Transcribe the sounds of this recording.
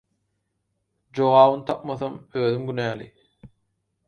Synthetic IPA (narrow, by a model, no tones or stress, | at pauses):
d͡ʒoʁɑːβɯnt̪ʰɑp̚mɑθɑmøːðymɡynæːlḭ